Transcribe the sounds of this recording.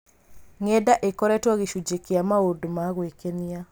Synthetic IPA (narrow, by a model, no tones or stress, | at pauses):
ŋɛdaʔekɔɾɛtwaɣeʃud͡ʒekeamaodomaɣwekenia